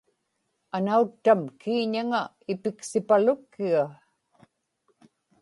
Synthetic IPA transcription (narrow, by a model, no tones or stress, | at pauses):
anaut̪ːamkʰiːɲaŋa | ɪpɪksɪpalʊkːiɣa